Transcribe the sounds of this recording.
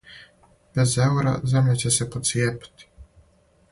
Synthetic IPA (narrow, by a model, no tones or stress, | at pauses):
b̥ɛzɛwɾa̰zɛmlʲat͡ɕɛsɛpɔt̪sjɛpt̪